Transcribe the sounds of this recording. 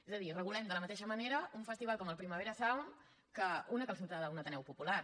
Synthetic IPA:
ezəðirəɣulɛmd̪ələmət̪eʃəməneɾəuɱfəst̪iβalˠkɔməlˠpɾiməβ̞eɾəsaβəm | kəunəkəlˠs̬ut̪aðəunət̪ənɛwpupulaɾ

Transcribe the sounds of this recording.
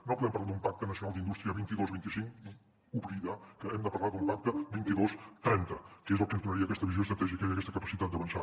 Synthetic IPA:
nopuðɛmpɐɾlad̪umpak̚t̪ənəsiunalˠd̪ind̪ust̪ɾiəβint̪iðozβint̪isiŋki | uβɾiðakəɛmd̪əpɐɾlaðumpak̚t̪əbint̪iðost̪ɾɛnt̪əkezəlˠkənd̪unəɾiəːkɛst̪əβizjoest̪ɾət̪ɛʒiəkəaiəkɛst̪əkəpə̥sit̪at̪̚d̪əβənʃa

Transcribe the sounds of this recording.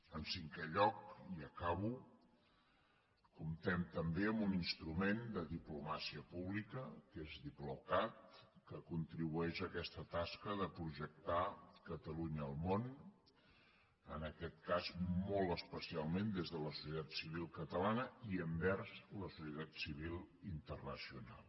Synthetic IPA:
ənsiŋkɛʎɔkiəkaβu | kumt̪ɛmt̪əmbeəmbuninst̪ɾumend̪əðiplumasiəpuβlikəkezðiplukat̪̚kəkunt̪ɾiβuɛʃəkɛst̪ət̪askəðəpɾuʒək̚t̪akət̪əluɲəːlˠmon | ənəkɛt̪kazmolˠtəspəsialˠmend̪ezðələsu̥sət̪at̪siβ̞ilˠkət̪əlanəiəmbɛɾzləsusjət̪at̪siβilˠ | int̪ərnəsiuna̰lˠ

